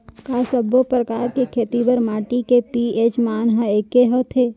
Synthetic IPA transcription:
kaːsəbopɾəkaːɾkekʰeːt̪ibəɾmaːʈikepieːt͡ʃmaːnɦəeːkeɦət̪ʰeː

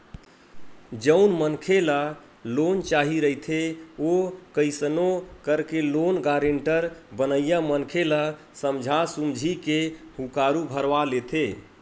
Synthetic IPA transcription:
d͡ʒəʊnmənkʰela | lont͡ʃaɦiɾəit̪ʰeokəɪsənokəɾkelonɡaɾeɳʈəɾbənəjamənkʰela | səmd͡ʒʱasumd͡ʒʱikehukaɾubʱəɾʋalet̪ʰe

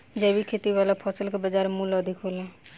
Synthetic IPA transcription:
d͡ʒɛːbikʰeːt̪iʋaːlapʰɔːsəlkebəd͡ʒaːɾmũːlɔːd̪ʱɪkʰoːlɛ̃ː

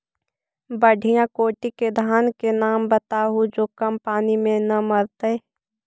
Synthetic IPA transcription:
bəɖʱijãkoːʈiked̪ʱaːnkenaːmbət̪aɦud͡ʒoːkəmpaːnimẽnɐməɾt̪eeː

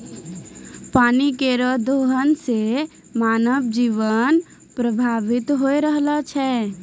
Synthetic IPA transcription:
paːnikeɾəd̪ʱoɦənse | manəbd͡ʒiʋən | pɾəbʱaʋɪt̪ɦoeɾəɦlət͡ʃʰɛ

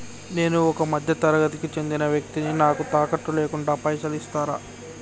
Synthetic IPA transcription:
ne̞ːnuɔkɐmɐd̪ʱjɐt̪ɐɾɐɡɐt̪ikit͡ʃe̞nd̪inɐʋjɐk̚t̪ininaːkut̪aːkɐʈːuleːkuɳɖaːpɐjsɐlist̪aːɾa̰ː

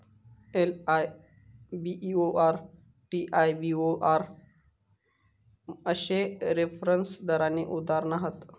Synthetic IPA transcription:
elaj | biʔioʔaɾ | ʈiʔajbioʔaɾ | əɕeɾefɾənsd̪əɾaniʔud̪aɾnaɦət̪

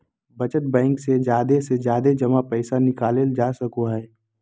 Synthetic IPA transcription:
bɐt͡ʃət̪̚bɛ̃ːŋksed͡ʒjaːd̪esed͡ʒjaːd̪ed͡ʒɐmapɛːsanɪkaːleld͡ʒaːsɐkoɦɛː

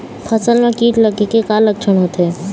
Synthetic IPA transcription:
pʰəsəlmẽkiːʈləkikekaləkt͡ʃʰəɳɦot̪e

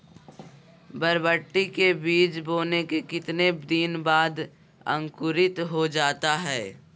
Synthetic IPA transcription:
bɐɾbəʈːikebiːt͡ʃboːnekekɪt̪ned̪iːnbaːd̪ | ə̰̃ŋkʊɾɪt̪ɦod͡ʒaːt̪aɦɛː

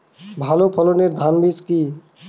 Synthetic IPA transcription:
bʱalopʰəloniɾd̪ʱanbiski

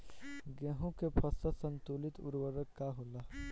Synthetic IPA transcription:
ɡɛ̃ɦõkepʰɐsəsə̃nt̪uːlɪt̪ʊ̰ɾwəɾəkːaɦʊlaː

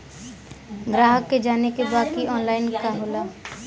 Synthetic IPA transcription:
ɡɾaːɦəkːed͡ʒaːnekebaːkiɔːnlaːɪnkaɦoːla

